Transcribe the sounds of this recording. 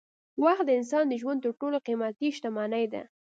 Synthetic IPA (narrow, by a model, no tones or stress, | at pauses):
waxt̪̚d̪əɪns̬ɑnd̪əʒwand̪̚t̪əɾʈoloqimat̪iʃt̪amɑnajd̪a̰